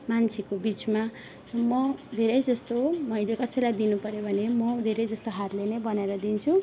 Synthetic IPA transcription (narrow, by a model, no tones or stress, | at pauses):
mant͡sʰekobit͡sma | mʌd̪ʱeɾʌjd͡zʌst̪omʌjlekʌsʌjlajd̪inupʌɾjobʱʌnemʌd̪ʱeɾʌjd͡zʌst̪oɦaɾlenebʌnaeɾʌd̪int͡sʰu